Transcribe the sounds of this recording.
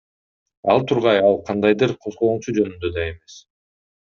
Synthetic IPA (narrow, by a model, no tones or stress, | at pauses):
ɑ̰lˠt̪ʰuɾʁɑjɑlˠqʰɑnd̪ɑjd̪ɯɾqʰo̞zʁo̞unt͡ʃud͡ʒø̞nynd̪ø̞d̪ɑe̞me̞s